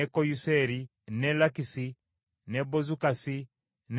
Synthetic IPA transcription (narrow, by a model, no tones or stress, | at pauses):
ɛkɔjusɛɾi | nɛlakisi | nɛbɔzukasi | n